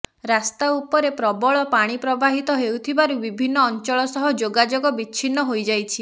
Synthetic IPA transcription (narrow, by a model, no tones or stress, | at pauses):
ɾast̪aupɔɾepɾɔbɔɭɔpaɽ̃ipɾɔbaɦit̪ɔɦewt̪ʰibaɾubibʱinːɔːnt͡ʃɔɭɔsɔɦɔd͡ʒoɡad͡ʒoɡɔbit͡ʃʰinːɔɦojd͡ʒajt͡ʃʰi